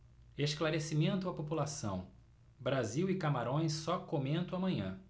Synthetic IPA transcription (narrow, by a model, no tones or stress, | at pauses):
eʃklaɾesimẽnt̪ʊɐpopulasɐ̰̃w̃ | bɾaziwɪkamaɾõj̃sːɔkomẽnt̪ɐ̃w̃amɐ̃ɲɐ̰̃